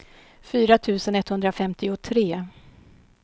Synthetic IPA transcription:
fyːɾat̪ʰʉ̟ːsənɛt̪ːhɵnd̪ɾafɛmt̪ɪʊt̪ʰɾeː

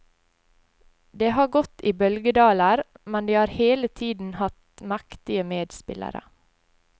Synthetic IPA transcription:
d̪eːhɑːɡɔt̪iːbœlɡəd̪ɑːləɾ | mɛnd̪iːhɑːɾheːlət̪ʰiːd̪n̩hɑt̪mækt̪ɪəmeːd̪spɪ̰lə̰ɾə̰

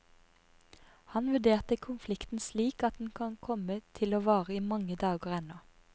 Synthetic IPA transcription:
hɑnʋʉɖ̪eːʁt̪əkʰʊnflɪkt̪n̩sliːkɑt̪̚d̪n̩kʰɑnkʰɔmət̪ʰɪloːʋɑːʁəiːmɑŋəd̪ɑːɡəʁɛnɔ

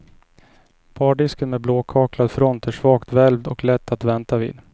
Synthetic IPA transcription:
pʰɑːɖɪskənmɛbloːkʰɑːklad̪fɾɔnt̪ʰəʂvɑːkt̪vɛlvd̪ɔklɛt̪ːat̪vɛnt̪avḭːd̪

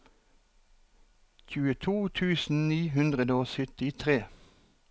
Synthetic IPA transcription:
çʉːət̪ʰuːt̪ʰʉːsn̩niːɦʉnd̪ʁəd̪oːsʏt̪ɪt̪ʰʁeː

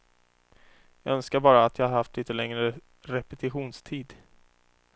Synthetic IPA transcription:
jɑ̰œnskaɾbɑːɾaːt̪jɑːhaɾhaft̪liːt̪ːəlɛŋɾə | ɾɛpɛt̪ʰɪɧuːnst̪ʰiːd̪

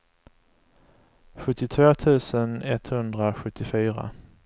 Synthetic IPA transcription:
ɧɵt̪ːɪt̪ʰvoːt̪ʰʉ̟ːsənɛt̪hɵnd̪ɾaɧɵt̪ʰːɪfyːɾa̰

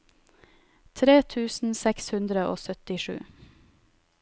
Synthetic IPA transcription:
t̪ʰɾeːt̪ʰʉːsn̩sɛkshʉnd̪ɾəʔo̰ːsœt̪ɪʃʉ̰ː

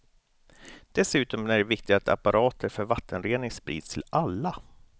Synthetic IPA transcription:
d̪̥ɛsʉ̟ːt̪ɔmæɖɛvɪkt̪ɪɡat̪ʰa̰paɾʔɑːt̪ʰəɾfœɾvat̪ʰːənɾeːnɪŋspɾḭːd̪st̪ʰɪlalːa

